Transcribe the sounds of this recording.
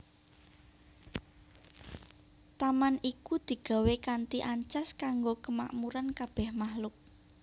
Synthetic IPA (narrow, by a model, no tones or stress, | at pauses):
t̪amanikud̪̥i̤ɡ̥a̤wekant̪iʔaɲt͡ʃaskaŋɡokəma̰ʔmuɾankab̥ɛhmahlʊk̚